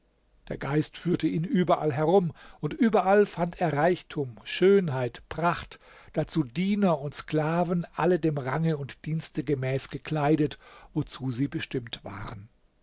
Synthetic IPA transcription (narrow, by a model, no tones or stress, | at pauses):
d̥eːɐɡaɪstfyːɐtəʔiːnʔyːbɐʔalɦɛʁʊmʔʊntʔyːbɐʔalfantʰeːɐʁaɪçtʰuːmʃøːnɦaɪtpʁ̥aχt | d̥at͡suːdiːnɐʊntskl̥aːvn̩ʔalədeːmʁaŋəʊntd̥iːnstəɡəmɛːsɡ̥əkʰl̥aɪdətvot͡suːziːbəʃtɪmtv̥a̰ːʁən